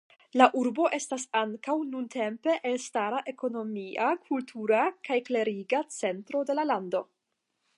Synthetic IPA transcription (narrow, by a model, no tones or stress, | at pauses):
laʔuɾbo̞ʔe̞stasaŋkawnunte̞mpe̞ʔelstaɾaʔe̞ko̞no̞miʔakʰultʰuɾakajkle̞ɾiɡat͡se̞ntɾo̞de̞lalando̞